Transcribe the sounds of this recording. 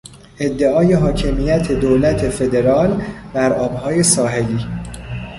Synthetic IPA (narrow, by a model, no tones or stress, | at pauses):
ʔe̞d̪ːe̞ɒːje̞ɦɒːcʰe̞mijæt̪ʰe̞d̪oːlæt̪ʰe̞fe̞d̪e̞ɾɒːlb̪æɾʔɒːbhɒːje̞sɒːɦe̞liː